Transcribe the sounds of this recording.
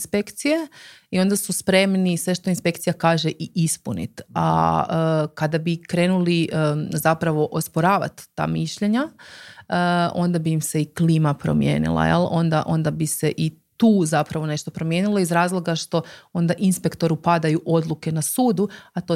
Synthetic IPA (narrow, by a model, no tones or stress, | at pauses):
inspekt̪sijeio̞nd̪asuspɾe̞mnisʋe̞ʃt̪o̞inspe̞kt̪sijakaːʒeʔiispunḭt̪a̰ | kad̪abikɾe̞ːnulizapɾaʋo̞ʔospoɾaːʋa̰t̪ːa̰ːmiʃʎe̞ɲa | əo̞nd̪abiːmse̞iklimapɾo̞̰mjḛːnḭlˠa̰jḛlˠo̞nd̪aʔo̞̰nd̪abise̞ʔit̪uːzapɾaʋo̞ne̞ʃt̪o̞pɾo̞mje̞ːnilˠo̞izɾaːzlˠo̞ɡaʃt̪o̞o̞nd̪aʔinspe̞kt̪o̞ɾupad̪ajuʔo̞d̪luke̞nasuːd̪uat̪o